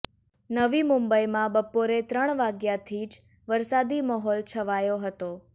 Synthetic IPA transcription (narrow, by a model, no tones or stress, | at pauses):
nəʋimumbəjmãbəpːoɾet̪ɾəɳ̃ʋaɡjat̪ʰid͡ʒ | ʋəɾsad̪imɔɦɔlt͡ʃʰəʋajoɦət̪o